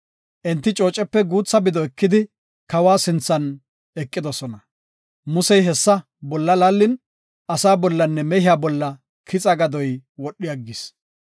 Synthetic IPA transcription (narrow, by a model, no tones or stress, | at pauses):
ʔɛnt̪ːɪt͡ʃʼo̞ːt͡ʃʼːɛpːɛɡuːt͡sːɐbɪd̪ɔɛkːɪd̪ɪ | kɐwaːsɪnt͡sːɐn | ɛkʼːɪd̪ɔsɔnɐ | mʊsɛjɦɛsːɐ | bɔlːɐlalːɪn | ʔɐsaːbɔlːɐnːɛmɛhɪjaːbɔlːɐ | kʰɪt͡sʼɐɡɐd̪ɔjwɔɗːɪjɐɡːɪs